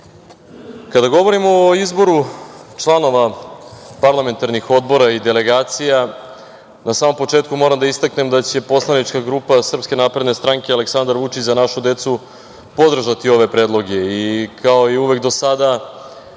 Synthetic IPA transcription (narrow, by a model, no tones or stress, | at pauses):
kad̪aɡo̞ʋo̞ɾimoːizbo̞ɾut͡ʃlˠano̞ʋa | paɾlˠame̞nt̪aɾnixo̞d̪̚bo̞ɾaid̪e̞le̞ɡaːt̪sija | nasaːmo̞mpo̞t͡ʂeːt̪kumo̞ɾamd̪aist̪akne̞md̪at͡ɕe̞po̞slˠanit͡ʂkaɡɾuːpasr̩pske̞naːpɾe̞d̪ne̞st̪ɾaŋke̞ale̞ksand̪aɾʋut͡ʂit͡ɕzanaʃud̪e̞t̪su | po̞d̪r̩ʒat̪io̞ʋe̞pɾe̞ːd̪lˠo̞ɡe̞ikʰao̞iuʋe̞kd̪o̞sad̪a